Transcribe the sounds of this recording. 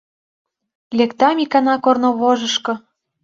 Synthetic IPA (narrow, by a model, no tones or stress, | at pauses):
lʲekt̪ɑmikɑnɑkornŏβoʒɤ̆ʃkɤ̆